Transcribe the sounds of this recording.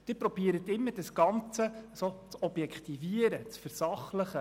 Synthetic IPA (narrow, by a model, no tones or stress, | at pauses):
d̥ɪɾpɾɔb̥iəɾət̪ɪmːəɾdəsɡ̥ɑnt͡səsot͡sɔb̥jɛkχt̪iviəɾət͡sfɛɾsɑχləχə